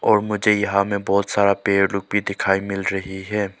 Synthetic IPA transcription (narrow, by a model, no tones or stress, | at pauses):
ɔːɾmʊd͡ʒʱejɐɦãmẽbɔːt̪saːɾapeːɾlʊk̚bʱid̪ɪkʰaːimɪlɾɐɦiɦɛː